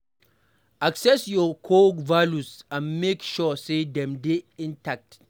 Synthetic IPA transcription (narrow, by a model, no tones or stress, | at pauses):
aksɛsjɔkʰoɡvalusãnmekʃɔsedɛ̃mdeĩntʰak̚t